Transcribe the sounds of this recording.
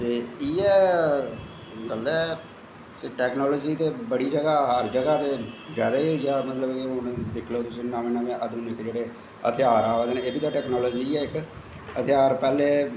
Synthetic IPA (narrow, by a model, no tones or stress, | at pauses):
t̪eːiːɛː | ɡəlɛː | kɪʈɛːknɔːlɔːd͡ʒiːt̪eːbəɽiːd͡ʒəɡaːɦəɾd͡ʒəɡaːt̪eːzaːd̪aːiːjaːmət̪ləbkeʊnd̪ɪkʰloːt̪ʊsĩːnãːmẽːnaːmẽʔəd̪unɪkd͡ʒeːɽeː | ə̰t̪ʰɪjaːɾaːʋeːd̪eːnẽeːbiːt̪aːʈɛːknɔːlɔːd͡ʒiɛːɪk | ət̪ʰɪjaːɾpɛːleː